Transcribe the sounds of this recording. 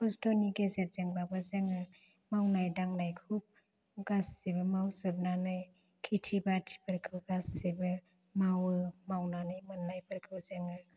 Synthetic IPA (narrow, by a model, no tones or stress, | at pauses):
pɔstɔniɡezet̚zeŋbabɯzɯŋɯ | mawnajdaŋnajkʰup̚ | ɡasːibɯmawsɯp̚nanɯj | kʰitʰibatʰi̥pʰɯɾkʰɯɡasːibɯ | mawɯmawnanɯjmɯnːajpʰɯɾkʰɯzɯŋɯ